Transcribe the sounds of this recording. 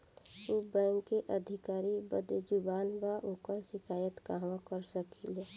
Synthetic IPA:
ubɛ̃ŋkːeʔəd̪ʱɪkaːɾibəd̪ed͡ʒʊbaːnbaʔokəɾʃɪkaːjət̪kaːmãkəɾsəkile

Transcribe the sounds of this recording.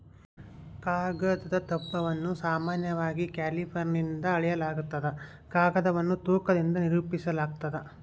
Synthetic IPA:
kaːɾɡɐd̪ɐd̪ɐt̪ɐpːɐʋɐnːusaːmaːnjɐʋaːɡikaːlipʰɐɾnind̪ɐːɭɛjɐlaːɡut̪ːɐd̪e | kaːɡɐd̪ɐʋɐnːut̪uːkɐd̪ind̪ɐniɾuːpisɐlaːɡ̚t̪ɐd̪e

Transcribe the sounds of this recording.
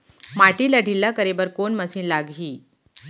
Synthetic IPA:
maʈiːləɽʱilːakəɾebəɾkoɳməsiːnlaɡʱɦiː

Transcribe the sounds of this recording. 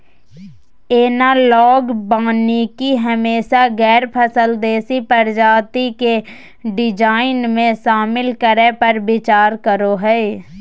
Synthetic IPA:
eːnalɔːɡbaːnikiɦəmeːʃaɡɛːɾpʰəsəld̪eːsipəɾd͡ʒaːt̪ike | ɖɪd͡ʒaːɪnmẽʃaːmɪlkəɾɛpəɾbɪt͡ʃaːɾkəɾoɦɛː

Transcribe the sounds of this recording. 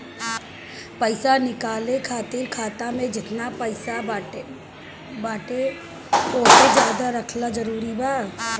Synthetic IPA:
pɐɪsanɪkaːlẽkʰaːt̪iɾkʰaːt̪amẽd͡ʒɪt̪napɐɪsa | baːʈe | oːsed͡ʒjaːd̪aɾɐkʰlad͡ʒɐɾuːɾibaː

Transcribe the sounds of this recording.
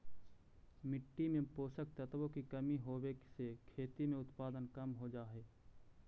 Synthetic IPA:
mɪʈːimẽpoːsək̚t̪ət̪wõkikɐmiɦoːweksekʰeːt̪imẽʊt̪paːd̪ənkəmɦod͡ʒaːɦeː

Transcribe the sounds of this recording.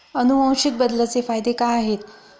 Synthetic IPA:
ənuʋə̃wɕik̚bəd̪lət͡sefajd̪ekaaɦet̪

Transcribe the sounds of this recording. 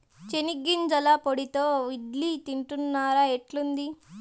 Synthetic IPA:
t͡ʃeniɡːind͡ʒɐlapoɽit̪oːʋiɖlit̪iɳʈunːaːɾaeʈlund̪i

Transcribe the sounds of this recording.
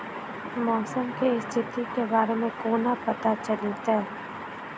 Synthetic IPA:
mɔːsəmkeɪst̪ʰɪt̪ikebaːɾemẽkoːnapɐt̪at͡ʃəlit̪ɛː

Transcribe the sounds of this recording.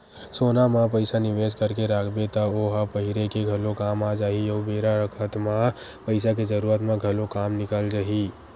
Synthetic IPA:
soːnamãpəɪsanɪʋeːskəɾkeɾaːkʰbet̪aoːɦapɐɦɪɾekeɡʱɐlokaːmaːd͡ʒaːiɔːbeːɾaɾəkʰət̪mãpəɪsak̬ed͡ʒɐɾuːɾət̪mãɡʱɐlokaːmnɪkəld͡ʒaːɦi

